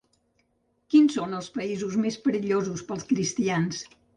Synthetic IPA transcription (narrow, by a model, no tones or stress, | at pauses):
kinsonəlˠspəizuzmespəɾiʎozuspəlˠskɾist̪ians